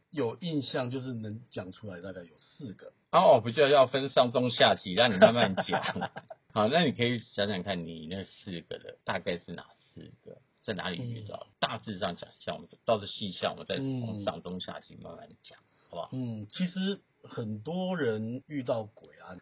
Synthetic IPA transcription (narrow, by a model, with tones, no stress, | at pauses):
jo˨˩ʊi˥˧nɕjɑ˥˧ŋt͡ɕjo˥˧ʊʂ̬ɻ̩˥˩nə˧˦ŋt͡ɕjɑ˨˩ŋʈ͡ʂʰu˦˥la˨˦ɪt̪a˥˧ka˥˩ɪjo˨˩ʊsɹ̩˥˩ɡə˩ | a˥ɔ˨p̬u˧˩t͡ɕi˥˩d̪ɑ˥˧jɑ˥˩ʊfə˦nʂɑ˥˨˩ŋt͡sʊ˥ŋɕja˥˧t͡ɕi˥ɻɑ˥˩ŋni˨˩ma˥˧nma˥˩nt͡ɕjɑ̰˨˩ŋhɑ˨˩na˥˨ni˨˩kʰə˧˥i˨˩ɕja˧˥ŋt͡ɕɑ˨˩ŋkʰa˥˩nni˨˩nə˥˨ɡə˩sɹ̩˥˩ɡə̰˩d̪ə̰˩t̪a˥˧ka˥˧ɪʂɻ̩˥˩na̰˨˩sɹ̩̰˥˩ɡ̥ə̰˩ | t͡sa˥˩ɪna̰˧˥lḭ˨˩y̰˥˩tɑ̰˥˩t̪a˥˧t͡sɹ̩˥˧ʂɑ˥˩ŋt͡ɕjɑ̰˨˩ŋi˧˩ɕja̰˥˨wɔ̰˨mə˦˥˩t̪ɑ˥˧ʊt͡sə˥˩ɕi˥˧ɕjɑ˥˩ŋwɔ̰˨mə˦nt͡sa˥˧ɪɔ̰˥˩ŋsɑ̰˥˩ŋt͡sʊ˥ŋɕja̰˥˧t͡ɕḭ˥˧ma̰˥˧nma̰˥˩nt͡ɕjɑ˨˩ŋ˧˥ba̰˧˦n̩˥˩t͡ɕʰi˧˥ʂɻ̩˧˦ | xə˨˩nt̪wɔ˥ɻə˨˦ny˥˧t̪̬ɑ˥˩ʊkwe˨˩ɪa˦